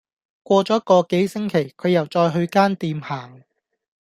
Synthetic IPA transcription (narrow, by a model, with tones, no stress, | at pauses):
kʷɔː˧t͡sɔː˨˥kɔː˧ke˨˥jsɪ˥ŋkʰe˨˩jkʰɵ˨˧ɥjɐ˨˩wt͡sɔː˧jɦɵ˧ɥkaː˥nt̪iː˧mhaː˨˩ŋ